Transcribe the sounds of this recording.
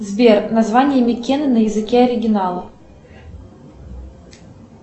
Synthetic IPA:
zbʲernɐzvanʲɪjəmʲɪkʲenɨnəjɪzɨkʲeɐɾʲɪɡʲɪnalˠə

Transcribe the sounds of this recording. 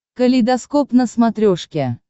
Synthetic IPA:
kəlʲid̪askopnəsmat̪ɾʲoʂkʲe

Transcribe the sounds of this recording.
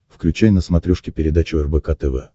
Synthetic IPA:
fklʲʉt͡ɕæjnəsmɐt̪ɾʲuʂkʲɪpʲɪɾʲɪd̪at͡ɕʊɛrbɛkat̪ɛvɛ̰

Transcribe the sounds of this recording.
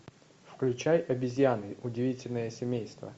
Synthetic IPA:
fklʲʉt͡ɕajɐbʲɪzʲjanɨʔʊdʲɪvʲitʲɪlʲnəjəsʲɪmʲejst̪və̰

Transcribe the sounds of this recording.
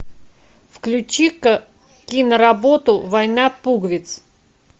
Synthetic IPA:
fklʲʉt͡ɕik | kʲinəɾɐbot̪ʊvɐjnapuɡvʲɪt̪s

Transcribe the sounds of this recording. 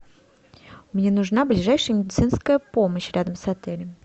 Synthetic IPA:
mnʲe̞nʊʐnablʲɪʐajʂɨjəmʲɪdʲɪt̪sɨnskəjəpo̞məɕɾʲad̪əmsɐt̪ɛlʲɪm

